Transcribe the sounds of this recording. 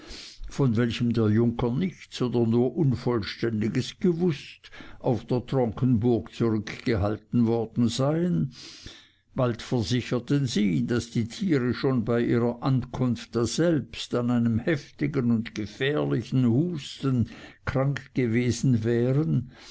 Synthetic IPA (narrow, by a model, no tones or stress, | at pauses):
fɔnvɛlçəmdeːɐjʊŋkənɪçtt͡soːdɐnuːɐʔʊnfɔlʃtɛndɪɡəsɡ̥əvʊstʔaʊfd̥eːɐtʁ̥ɔŋkʰən̩bʊɐkt͡suʁʏkɡ̥əɦaltn̩vɔɐd̥n̩zaɪən | b̥altfɛɐzɪçɐtənziːdasd̥iːtʰiːʁəʃoːnbaɪʔiːʁɐʔankʰʊnft̚d̥az̥ɛlpstanaɪnəmhɛftɪɡənʊntɡ̥əfɛːɐlɪçn̩huːstənkʁ̥aŋkɡ̥əveːzn̩vɛːʁən